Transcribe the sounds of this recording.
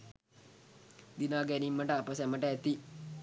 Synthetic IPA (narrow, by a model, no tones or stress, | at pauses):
d̪inaːɡænimːəʈəapəsæməʈəæt̪i